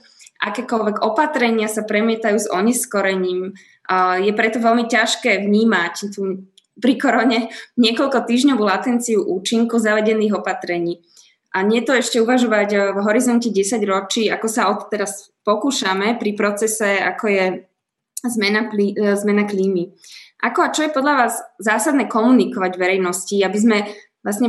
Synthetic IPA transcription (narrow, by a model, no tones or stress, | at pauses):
ʔa̰kɛːkɔlʋɛɡɔpat̪ɾɛɲɪasapɾɛmɪɛt̪ajuːzɔɲɛskɔɾɛɲiːm | jɛpɾɛt̪ɔʋɛlmicaʃkɛːʋɲiːmact̪u | pɾikɔɾɔɲɛɲɪɛkɔʎkɔt̪iːʒɲɔʋuːlat̪ɛnt͡siuʔuːt͡ʃiŋkuzaʋɛɟɛniːɣɔpat̪ɾɛɲiː | ʔaɲɪɛt̪ɔɛʃcɛuʋaʒɔʋaɟvɦɔɾizɔncɛɟɛsaɟɾɔt͡ʃiːakɔsaɔt̪t̪ːɛɾas | pɔkuːʃamɛpɾipɾɔt͡sɛsɛa̰kɔjɛ | zmɛnaklizmɛnakliːmiʔakɔat͡ʃɔjɛpɔd̪ʎaʋaːzzaːsad̪nɛːkɔmunikɔʋaɟʋɛɾɛjnɔsciabizmɛ | lasɲɛ